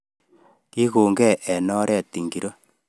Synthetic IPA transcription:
ki˦ko˨ŋɡɛ˦˨ʔɛ˨nɔ˦ɾɛ˦˨ti˨ŋɡi˨ɾo˦

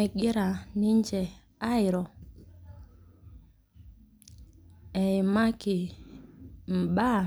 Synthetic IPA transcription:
ɛ˨ɡɪ˦ɾa˨nɪ˦ɲd͡ʒɛ˨ | a˦ɪ˨ɾɔ˨ | ɛ˨ɪ˨ma˦kɪ˨ | m̩˨ba˦˨

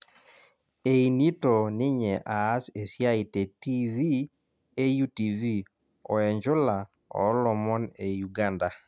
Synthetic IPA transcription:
e˨i˨ni˦to˨nɪ˦ɲɛ˨ʔaː˨˦se˨sja˦i˨te˨ti˦vi˦ | e˦ju˦ti˨vi˦ | ɔ̰˨ɛ˨ɲd͡ʒʊ˦la˨ | ɔ̰˨˦lɔ˨mɔ˦ne˨ju˨ɡa˦nda˨

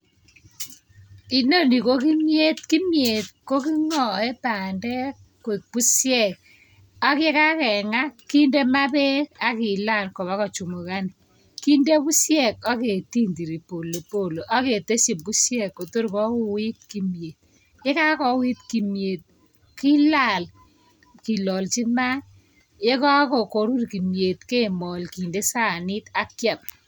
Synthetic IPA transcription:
i˨no˦˨ni˨ko˦ki˦mje˦t̪̚ki˦mje˨t̪ko˦ki˦ŋɔ˦e˦ta˨ndɛ˦ | kk̚bu˦sjɛ˦˨k̚ | a˦ke˦ka˦kɛ˨ŋa˦ki˦nde˦ma˦be˦ka˦kɪ˨la˦˨nkɔ˨βa˦kɔ˨t͡ʃu˨mo˨ka˦n | ki˦nde˦bu˦sjɛ˦˨ka˦ke˨ti˦ndi˨ɾi˨po˨lo˨po˦˨lo˨ʔa˦ke˨te˦si˨m̚ku˦sjɛ˦˨kːo˨to˦ɾkɔ˦u˦wi˦t̚ki˦mje˨t̚ | je˦ka˦kɔ˨wi˦tki˨mje˨t̚ | ki˦la˦˨l | ki˨lɔ˨lt͡ʃi˦ma˦ | je˦ka˦kɔ˨ko˨ɾu˦rki˨mje˨tke˦˨mɔ˨lki˨nde˦sa˦˨nɪ˦ta˦kja˨m

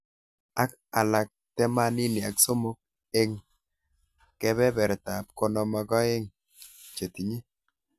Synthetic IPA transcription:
a˦k | a˨la˨k̚tɛ˦ma˦ni˦ni˨a˨kso˦mo˦k̚ | e˦ŋ | kɛ˦βɛ˦bɛ˨ɾta˨p̚ko˦nɔ˨mɔ˨˦ɡɔ˦e˦ŋ | t͡ʃe˨ti˨ɲi˦

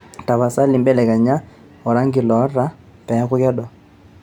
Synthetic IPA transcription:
ta˨βa˨sa˦li˨mbɛ˦lɛ˨ka˨ɲa˦ | ɔ˨ɾa˦ŋɡɪ˨lɔ˨˦ra˦ | pɛ˨˦kʊ˦kɛ˦ɗɔ˨

